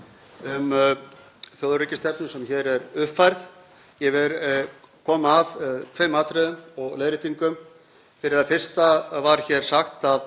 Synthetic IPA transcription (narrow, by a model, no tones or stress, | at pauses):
ʏm | θjɔːwðricɪst̪ɛp̚nɪsɛmçɛɾɛɾʏfajɾθ | jɛvɪɾ | kʰɔːmaːðt̪ʰveːjmaːt̪ɾɛðʏmɔɣleːðɾɪt̪iŋkʏm | fɪɾɪɾðaðfɪr̥st̪avaɾ̥çɛɾ̥saxt̪að